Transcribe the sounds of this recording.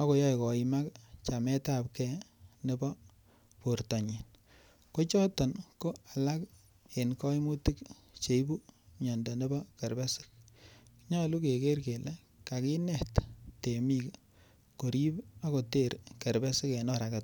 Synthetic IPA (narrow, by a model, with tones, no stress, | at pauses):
a˦ko˨jɔ˦jkɔ˨i˨ma˦kt͡ʃa˨mɛ˦ta˦p̚kɛ˦ne˦bɔ˦ | po˨ɾtɔ˨ɲi˨n | ko˦t͡ʃɔ˦tɔ˨nko˦a˨la˦k | e˨nkɔ˦i˦mu˦ti˦k | t͡ʃe˨˦bu˦ɲɔ˨ndɔ˨ne˦bɔ˦ke˨ɾbɛ˦sɪ̥˦k̚ | ɲɔ˦lu˦ke˨ke˦rke˨le˦ | ka˨ki˦nɛ˦˨tte˨mi˦k | ko˨ɾi˦ba˦ko˨te˦˨ɾke˨ɾbɛ˦sɪ˦ke˨nɔ˦ɾa˨kɛ˨t̚